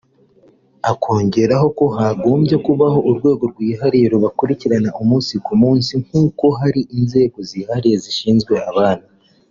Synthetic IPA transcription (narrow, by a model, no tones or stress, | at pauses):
akʰo̞ːɲɟe̞ɾaɦo̞ko̞ɦaɡo̞ːmbje̞kuβaho̞ʔuɾɡwe̞ːɡo̞ɾɡwiːɦaɾiɾoβakuɾiciɾanaʔumuːnsikumuːnsiŋ̥uːko̞ɦaɾiʔinze̞ːɡo̞zihaɾije̞ziʃiːnzɡwe̞aβaːna